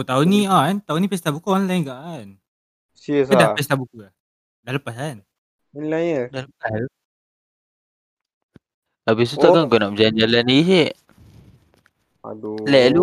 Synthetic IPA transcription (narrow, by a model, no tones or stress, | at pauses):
ot̪auniaant̪aunĩpɛs̬t̪abukuɔnlajnɡaʔan | siəsadapɛs̬t̪abukula | daləpasan | inlajəlaləpaslu | abis̬ut̪aɡaŋɡonap̚d͡ʒaɲd͡ʒalaniiseʔ | a̰dlɛʔlu